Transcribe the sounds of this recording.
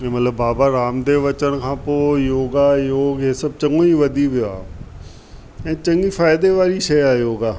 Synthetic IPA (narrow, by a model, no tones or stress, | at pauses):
eːmət̪ləbːaːbaːɾaːmd̪eːʋət͡ʃənkʰãːpoːjoːɡaːjoːɡeːsəb̚t͡ʃə̃ŋɡõːiːʋəd̪iːʋɪa̰ː | ẽːt͡ʃə̃ŋɡiːfʰaːɪd̪eːʋaːɾiːʃɐjaːjoːɡaː